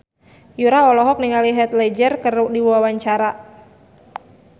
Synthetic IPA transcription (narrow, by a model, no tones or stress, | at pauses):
juɾaɔlɔɦɔk̚niŋaliɦɛt̪lɛd͡ʒərkərdiwuwawaɲt͡ʃaɾa